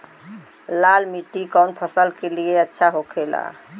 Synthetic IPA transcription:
lalmiʈːikɔnpʰəsəlkelieətːʃʰaɦokʰela̰

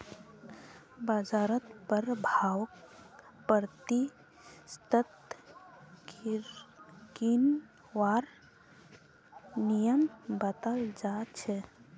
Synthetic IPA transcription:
bad͡ʒaɾət̪pəɾbʱawk | pəɾt̪i | st̪ət̪ | kin | ʋaɾ | nijəmbət̪əld͡ʒat͡ʃʰɛ

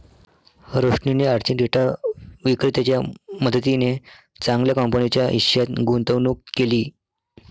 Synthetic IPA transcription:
ɾoʂɳineaɽt͡ɕiːnɾeʈaʋikɾet̪jat͡ɕjaməd̪ʱət̪ine | t͡sãŋɡljakɔmpənit͡ɕjaʔḭɕjat̪ɡunt̪əʋnukːeliː

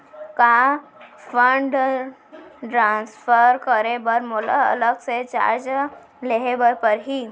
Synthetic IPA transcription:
ka | fʰəɳɖ | ʈɾãːnsfʰəɾkəɾebəɾmʊlə̰ləɡset͡ʃa̰ɾd͡ʒ | leɦebəpəɾɦiː

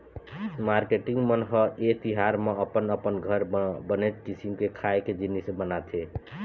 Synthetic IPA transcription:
maɾkeʈiŋɡmənɦəet̪iɦaɾmeəpənəpənɡʱəɾbənet̪kisimkekʰaeked͡ʒinːisebənat̪ʰe

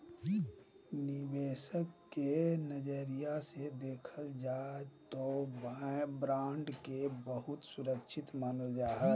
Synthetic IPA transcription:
nɪbeːsəkːenəd͡ʒəɾijased̪eːkʰəld͡ʒaːet̪obbɾãːɳɖkebəɦʊt̪sʊɾəkʃʰɪt̪maːnəld͡ʒaːɦɛ

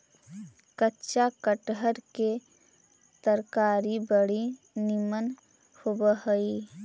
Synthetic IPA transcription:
kətːʃakəʈɦəɾke | t̪əɾkaːɾibəɽi | nɪmən | hobəɦəi

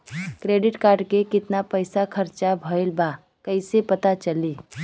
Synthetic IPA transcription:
kɾeːɖɪʈkaːɾɖkekɪt̪napəɪsakʰɐɾt͡ʃabʱəɪlba | kɐɪsepɐt̪at͡ʃɐliː

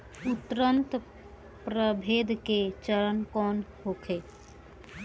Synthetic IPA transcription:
ʊt̪ɾənt̪ | pɾəbʱeːd̪ket͡ʃəɾənkɔːnɦokʰe

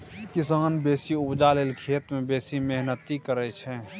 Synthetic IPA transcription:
kɪsaːnbeːsiʊpd͡ʒaleːlkʰeːt̪mẽbeːsimeɦnət̪ikəɾɛt͡ʃʰɛ

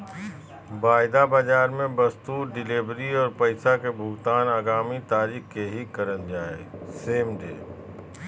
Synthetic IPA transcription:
baːɪd̪abad͡ʒaːɾmẽbɐst̪uːɾɖɪleːbɾiɔːɾpɐɪsakebʱʊɡt̪aːnaːɡaːmit̪aːɾiːxkeɦikɐɾənd͡ʒaːḛseːmɖḛː

